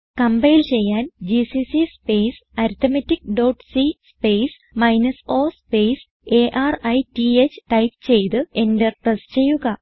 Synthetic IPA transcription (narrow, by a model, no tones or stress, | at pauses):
kɐmbɐjilt͡ɕe̞jːaːnd͡ʑisisispejsɐɾut̪ːɐmɐtːikɖoːʈsispeːs | mɐjnɐso̞ːspejs | e̞ːʔaːrɐjtiet͡ɕːɨ̥ʈɐjpt͡ɕe̞jt̪ɨe̞ndeprɐst͡ɕe̞jːuɣɐ